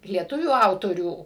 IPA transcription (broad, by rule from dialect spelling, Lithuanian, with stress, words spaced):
lʲiɛˈtʊʋʲuː ˈɐʊtoːrʲuː